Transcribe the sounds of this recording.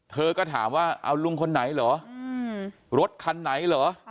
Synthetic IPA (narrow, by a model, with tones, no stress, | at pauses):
t̪ʰɤː˧kɔː˥˩t̪ʰa̰ː˩˦mwaː˥˩ʔa̰˧wlu˧ŋkʰo˧nːa˩˦jlɔː˩˦ | ɾo˦˥t̪̚kʰa˧nːa˩˦jlɔː˩˦